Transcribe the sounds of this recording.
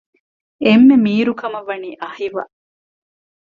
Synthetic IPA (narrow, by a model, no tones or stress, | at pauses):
emːemiːɾukɐmɐʋɐniːʔɐhiʋɐ̰